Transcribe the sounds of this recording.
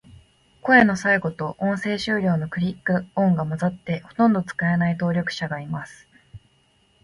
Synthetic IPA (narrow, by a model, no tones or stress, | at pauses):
ko̞eno̞saiɡo̞t̪o̞ʔõɰ̃se̞ːɕɨːɾʲo̞ːno̞kɯ̟ɾʲikːɯ̟õŋɡamazat̪ːe̞ho̞̥t̪õ̞nd̪o̞t͡sɨ̥kae̞nait̪o̞ːɾʲokɯ̥ɕaɡaimasɨ̥